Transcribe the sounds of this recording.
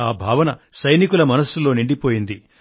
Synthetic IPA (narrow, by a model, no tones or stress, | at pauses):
aːbʱaːʋɐnɐsɐjnikulɐmɐnɐsːulo̞ːniɳɖipoːjind̪i